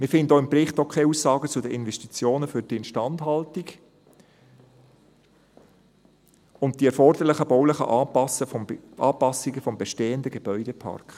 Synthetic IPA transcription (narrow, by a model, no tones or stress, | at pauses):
mɪɾfɪndəoɪmpɾɪχtokʰχeuːsːɑːɡət͡sʊdəʔɪnvɛʃtit͡sjoːnəfʏɾd̥iɪnʃtɑndɦɑltiɡ | ʊnt̚d̥iɛɾfɔrd̥əɾlɪχəb̥ɔwlɪχə̰ʔɑsəʔɑːpɑsiɡəfɔmbeʃteːəndəɡeb̥œʏdɛpʰɑ̰rkχ